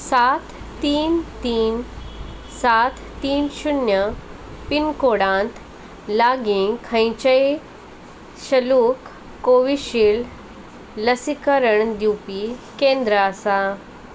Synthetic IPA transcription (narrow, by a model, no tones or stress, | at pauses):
sat̪ːiːnt̪iːn | sat̪ʰːiːnɕunjə | pinkoɽãnt̪ | laɡiŋkʰə̃jt͡ɕəj | ɕəluːkː | oʋiɕiːl | ləsikəɾəɳd̪jupikẽnd̪ɾəasa